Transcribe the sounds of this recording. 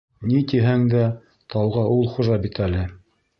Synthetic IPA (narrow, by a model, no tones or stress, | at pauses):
nit̪iɦæŋd̪æ | t̪ɑwʁɑʔulˠχuʒɑbit̪ælɘ